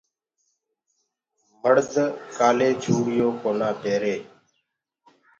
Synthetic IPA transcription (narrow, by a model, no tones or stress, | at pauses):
məɽd̪ʱkaːleːd͡ʒʱʰuːɽɪjõːkoːnaːt̪eːɾeː